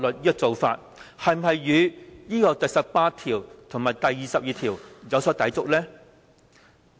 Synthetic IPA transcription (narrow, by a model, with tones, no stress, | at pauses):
lɵ˨t̚jiː˥jɐ˥k̚t͡so˨˧wfa̰ː˧t̚ | hɐ˨jm̩˨˩ɦɐ˨jːyː˨˧jiː˥kɔː˧t̪ɐ˨jsɐ˨p̚paː˧t̪ʰiː˨˩wt̪ʰʊ˨˩ŋmaː˨jt̪ɐ˨jiː˨sɐ˨p̚jiː˨˧t̪ʰiː˨˩wjɐ˨˧wsɔː˨˥t̪ɐ˨˥t͡sʊ˨k̚lɛː˥